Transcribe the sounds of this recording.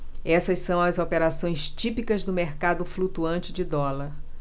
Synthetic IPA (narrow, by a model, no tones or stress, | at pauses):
ɛsɐssɐ̃w̃ɐzopeɾasõj̃st͡ʃipikɐzd̪ʊmeɾkad̪ʊflut̪uɐ̃nt͡ʃɪd͡ʒɪd̪ɔlɐɾ